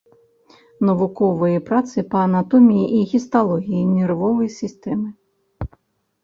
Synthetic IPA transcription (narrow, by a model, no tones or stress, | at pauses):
nɐvukɔvɨjɐpɾat̪sɨpɐɐnat̪ɔmʲijiʔiɣʲist̪alˠɔɣʲijinʲɛrvɔvɐjsʲist̪ɛmɨ